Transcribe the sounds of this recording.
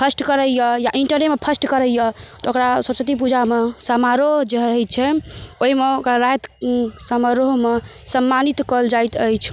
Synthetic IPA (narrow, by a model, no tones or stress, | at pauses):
pʰəsʈkəɾəjjəjaʔiɳʈəɾnemepʰəsʈkəɾəjjət̪ɔokɾasəsət̪ipud͡ʒamesəmaɾoɦd͡ʒeɦɾəɦɛt͡ʃʰɛoɦimeokɾaɾajt̪səmaɾoɦmesəmːanit̪kəld͡ʒajt̪əjt͡ʃʰ